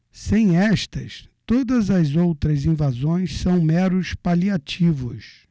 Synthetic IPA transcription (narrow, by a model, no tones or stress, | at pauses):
sẽj̃ɛst̪ɐst̪od̪ɐzɐzowt̪ɾɐzĩvazõj̃ssɐ̃w̃mɛɾʊspaliat͡ʃivʊs